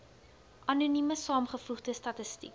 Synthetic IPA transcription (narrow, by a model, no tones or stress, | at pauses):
ʔɐnunyməsɑːmχəfuχdəstɐtəstḭk